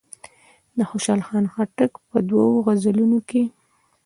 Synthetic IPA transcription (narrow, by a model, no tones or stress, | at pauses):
d̪əxoʃɑlxɑnxaʈəkpəd̪wawoɣazalunoke